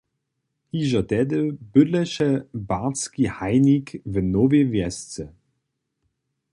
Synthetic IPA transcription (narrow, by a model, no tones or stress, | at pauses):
hiʒɐtɛdəb̥ʏdləʃəbaskihaɪnikvənovevjɛst͡sə